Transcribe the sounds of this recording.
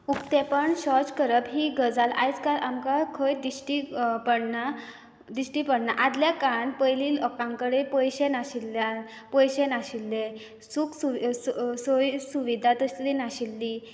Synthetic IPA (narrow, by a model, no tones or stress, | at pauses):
ukt̪epəɳɕɔt͡skəɾəbɦiːɡəd͡zala̰jt͡skaɾʔamkakʰəjd̪iɕʈipəɽna | d̪iɕʈipəɽnaʔad̪ljakaɳpəjlilɔkãŋkəɽepəjɕenaɕilːja | pəjɕenaɕilːe | suksusojsuʋid̪ʱat̪əslinaɕilːi